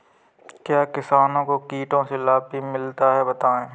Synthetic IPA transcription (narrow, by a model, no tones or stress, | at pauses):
kjaːkɪsaːnõkokiːʈõselaːpimɪlt̪aɦɛbɐt̪aːẽː